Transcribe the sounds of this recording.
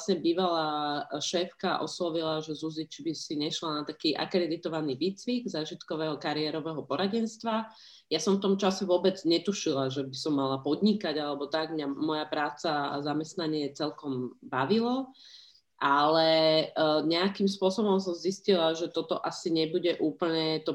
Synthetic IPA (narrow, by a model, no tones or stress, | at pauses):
asɲɛbiːʋalaːʃɛːfkaʔɔ̰slɔʋilaʒɛzuzit͡ʃibisiɲɛʃlanat̪akiːʔa̰kɾɛd̪it̪ɔʋaniːʋiːt͡sʋiɡzaːʒit̪kɔʋɛːɦɔkaɾiɛɾɔʋɛɦɔpɔɾaɟɛnst̪ʋa | jasɔɱft̪ɔmt͡ʃasɛʋʊɔbɛd͡zɲɛt̪uʃilaʒɛbisɔmːalapɔd̪ɲikaɟalɛbɔt̪aɡmɲamɔjapɾaːt͡sazamɛst̪naɲɪɛt͡sɛlkɔmbaʋilɔ | ʔalɛ | ɲɛakimspʊɔsɔbɔms̬ɔmziscilaʒɛt̪ɔt̪ɔʔasiɲɛbuɟɛʔuːpl̩ɲɛt̪ɔ